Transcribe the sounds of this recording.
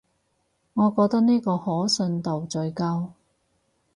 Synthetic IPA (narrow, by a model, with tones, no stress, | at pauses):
ŋɔː˨˧kɔː˧k̚t̪ɐ˥k̚niː˥kɔː˧hɔː˨˥sɵ˧nt̪o˨wt͡sɵ˧ɥkɐ˥w